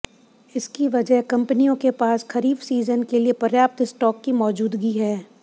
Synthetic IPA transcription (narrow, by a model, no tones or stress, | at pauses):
ɪskiʋɐd͡ʒəɦkɐ̃mpnijõkepaːsxɐɾiːbsiːzənkeliepɐɾjaːp̚t̪ɪsʈɔːkːimɔːd͡ʒuːd̪ɡiɦɛː